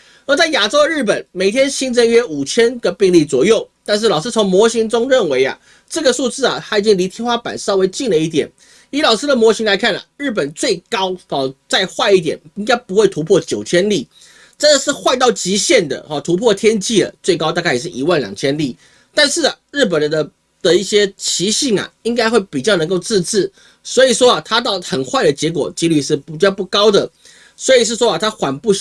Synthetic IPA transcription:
nɔ˥˧˦t͡sa˥˩ɪja˨˩ʈ͡ʂo˥ʊd̪ə˧ɻ̩˥˩p̬ə˨˩nme˨˩ɪt̪ʰjɛ˥nɕi˥nt͡sə˥ŋɥɛ˥u˨˩t͡ɕʰjɛ˥nɡə˨pi˥˧ŋli˥˩t͡swɔ˨˩jo˥˩ʊt̪a˥˧nʂ̬ɻ̩˥˩lɑ˨˩ʊʂ̬̩˥t͡sʰo˧˥ŋmwɔ˧˥ɕi˧˥ŋʈ͡ʂʊ˥ŋɻə˥˩nwe˧˥ɪɐ̰˨ | ʈ͡ʂɤ˥˩ɡə˩su˥˧t͡sɹ̩˥˩ɐ˨˩xa˧˥ɪi˨t͡ɕi˥ŋli˧˥t̪ʰjɛ˥nxwa˥pa̰˨˩˦nsɑ˥˧ʊwe˧˥ɪt͡ɕi˥˩ŋlə˩i˥˩t̪̬jɛ˨˩n | i˧˥lɑ˨˩ʊʂ̩˥d̪ə˨mwɔ˧˥ɕi˧˥ŋla˧˥ɪkʰa˥˩nə̰˩ɻ̩˥˩p̬ə˨˩nt͡swe˥˩ɪkɑ˥ʊɔ˨t͡sa˥˧ɪxwa˥˧ɪi˥˩t̪jɛ̰˨˩ni˥ŋka˥ɪpu˧˥xwe˥˩ɪt̪ʰu˧˥pʰwɔ˥˩t͡ɕjo˨˩ʊt͡ɕʰjɛ˥nli˥˩ | ʈ͡ʂə˥˩ə˨ʂɻ̩˥˧xwa˥˧ɪt̪ɑ˥˩ʊt͡ɕi˧˥ɕjɛ˥˩nd̪ə̰˩hɔ˨t̪ʰu˧˥pʰwɔ˥˧˩t̪ʰjɛ˥nt͡ɕi˥˩ə̰˨˩t͡swe˥˩ɪkɑ˥ʊt̪a˥˧ka˥˩ɪ˨˩ʂ̬ɻ̩˥˩ʔi˧˥˦wa˥˩nljɑ˨˩ŋt͡ɕʰjɛ˥nli˥˩ | t̪a˥˧nʂɻ̩˥˩ɐ˩ɻɻ̩˥˩p̬ə˨˩nd̪ə˦ | d̪̥ə˨i˥˩ɕjɛ˥t͡ɕʰi˧˥ɕi˥˩ŋɐ̰˩i˥ŋka˥ɪxwe˥˩ɪpi˨˩t͡ɕjʊnɤ˧˥ŋko˥˧ʊt͡sɹ̩˥˧t͡sɻ̩˥˩ | swɔ˧˥i˨˩ʂwɔ˥ɐ˨˩t̪ʰa˥t̪̬ɑ˥˩ʊxə˨˩nxwa˥˩ɪd̪ə˩t͡ɕjɛ˧˥kwɔ̰˨˩t͡ɕi˧˥ly˨˩ʂɻ̩˥˩pi˨˩t͡ɕjɑ˥˧pu˥˩kɑ˥ʊd̪ə˨ | swɔ˧˥i˨˩ʂ̬ɻ̩˥˩ʂwɔ˥ɐ˨t̪ʰa˥xwa˨˩npu˥˧

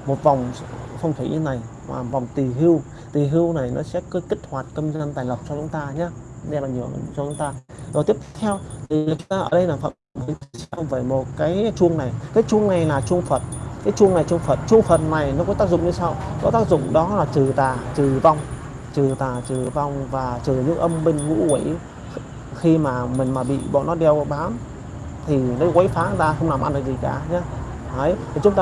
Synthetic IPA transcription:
mo˨˩t̚va˨˩wŋ͡mfa˧wŋ͡mt̪ʰḭ˨˧˨ɲɨ˧˦na˨˩jma̰ː˨˩va˨˩wŋ͡mt̪i˨˩ɦi˧w | t̪i˨˩ɦi˧əwna˨˩jnɔ̰˨˦sɛ̰˧˥kə˨˦ki˦˥k̟̚hwaː˨˩t̚kə˧mzə˧nt̪aː˨˩jlə˨˩p̚t͡ɕɔ˧t͡ɕʊ˨˦ŋ͡mt̪aː˧ɲaː˧˦nɛ˧ma̰ː˨nɲɨ˨˧˩ət͡ɕɔ˧t͡ɕʊ˨˦ŋ͡mt̪aː˧zɔ˨˩t̪i˦˥əpt̪t̪ʰɛ˧wt̪ʰi˨˩˨t͡ɕʊ˨˦ŋ͡mt̪aː˧ʔəː˨˩ɗə˧jlaː˨˩fə̰˧˨m˧˨mhi˨˦ŋʰ˧˦sɛ˧vəː˨˩mo˨˩t̚kaː˨˦jt͡ɕu˧əŋna˨˩jkaː˨˦jt͡ɕu˧əŋna˨˩jlaː˨˩t͡ɕʊ˧əŋfə˨˩t̚kaː˨˦jt͡ɕu˧əŋna˨˩jt͡ɕʊ˧ŋ͡mfə˨˩t̚t͡ɕu˧əŋfə˨˩t̚na˨˩jnɔ˨˦kɔ˧˦˥t̪aː˦˥k̚zʊ̰˧˨ŋ͡mɲɨ˧sa˧wkɔ˨˦t̪aː˦˥k̚zʊ̰˧˨ŋ͡mɗɔ˨˦laː˨˩t͡ɕɨ˨˩t̪aː˨˩t͡ɕɨ˨˩va˧wŋ͡m | t͡ɕɨ˨˩t̪aː˨˩t͡ɕɨ˨˩va˧wŋ͡mvaː˨˩t͡ɕɨ˨˩ɲɨ̰˧˥ŋʔə˧mɓi˧ŋ̟ŋṵ˧˥kwi˧˩˦j | xi˧maː˨˩mï˨˩ŋ̟maː˨˩ɓḭ˧˨ɓɔ̰˧˨nːɔ˨˦ɗɛ˧wɓaː˨˦m | t̪ʰi˨˩nɔ˨˦ɣwə˨˦jfaː˨˦˨zaː˧xə˧wŋ͡mna˨˩mʔa̰˧nɗə˨˩k̚zi˨˩ka̰ː˨˩ɲaː˧˦ | ʔə˨˦jt̪ʰi˨˩t͡ɕʊ˨˦ŋ͡mt̪aː˧

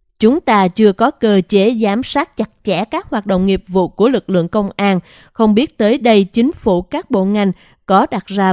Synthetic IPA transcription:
t͡ɕʊ˨˦ŋ͡mt̪aː˧t͡ɕɨ˧əkɔ˨˦kəː˧t͡ɕe˨˦zaː˨˦msaː˦˥t̚t͡ɕa˨˩t̚t͡ɕɛ˧˩kaː˦˥k̚hwaː˨˩t̚ɗo̰˧˨wŋ͡mŋi˨˩əp̚vṵ˧˨ku˧˩əlɨ˨˩k̚lɨ̰˧˨əŋkə˧wŋ͡mʔaː˧n | xə˧wŋ͡mɓi˦˥ət̚t̪əː˨˦jɗə˧jt͡ɕï˨˦ŋ̟fu˧˩kaː˦˥k̚ɓo̰˧˨ŋa˧˩jŋ̟ | kɔ˨˦ɗa˨˩t̚zaː˧

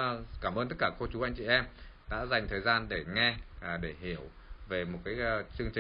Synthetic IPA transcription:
kaː˧˩mʔəː˧nt̪ə˦˥t̚kaː˧˩ko˧t͡ɕu˨˦ʔa˧jŋ̟t͡ɕḭ˧˨ʔɛ˧m | ɗa̰ː˧˥za˨˩jŋ̟t̪ʰəː˨˩jzaː˧nɗe˧˩ŋɛ˧˨˩ɗe˧˩ɦi˧˩əw | ve˨˩mo˨˩kaː˨˦jt͡ɕɨ˧əŋt͡ɕï˨

